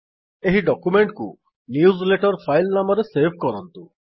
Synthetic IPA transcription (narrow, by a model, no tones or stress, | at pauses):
eɦiɖɔkumeɳʈkṵ | niuzleʈɔɾpʰajlnamɔɾesebʱkɔɾɔnt̪u